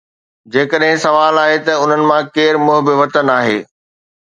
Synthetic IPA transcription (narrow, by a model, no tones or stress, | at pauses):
d͡ʑeːkəɗɦɪ̃sɐʋaːlaːɦet̪ɐʊn̤ənɪ̆mãkeːɾmʊɦbɪʋɐt̪ənaːɦeː